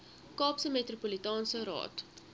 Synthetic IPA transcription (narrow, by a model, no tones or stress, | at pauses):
kɑːpsəmetrupolitɑːnsəɾɑ̰ːt